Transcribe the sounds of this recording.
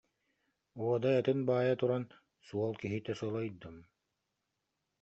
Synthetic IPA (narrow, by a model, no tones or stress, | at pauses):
uɔd̪aɛt̪ɯnbaːjat̪uɾan | suɔlˠkiɦit̪ɛsuɔlˠɔjd̪ɯm